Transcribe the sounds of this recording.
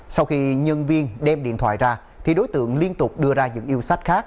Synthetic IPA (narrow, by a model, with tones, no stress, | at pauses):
sa˧wxi˧ɲə˧nvi˧ənɗɛ˧mɗḭ˧˨ənt̪ʰwa̰ː˧˨jzaː˧˩ | t̪ʰi˨˩ɗo˨˦jt̪ɨ̰˧˨əŋli˧ənt̪ʊ˨˩k͡p̚ɗɨ˧əzaː˧ɲɨ̰˧˥ŋʔi˧əwsa˦˥jk̟̚xaː˦˥k̚